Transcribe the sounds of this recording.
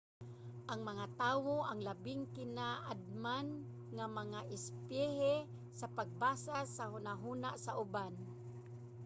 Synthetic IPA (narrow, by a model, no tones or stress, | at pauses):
ʔaŋmaŋat̪awoʔaŋlabɪŋkɪnaʔad̪̚man | ŋamaŋaʔɪspɪɦɛ | sapaɡ̚basasaɦʊnaɦunaʔsaʔʊban